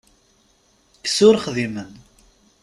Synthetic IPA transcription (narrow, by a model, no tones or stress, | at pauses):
ksʊɾχðimən